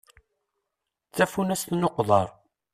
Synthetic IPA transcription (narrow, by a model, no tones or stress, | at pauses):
θæfunæst̪noqðˤɑɾˤ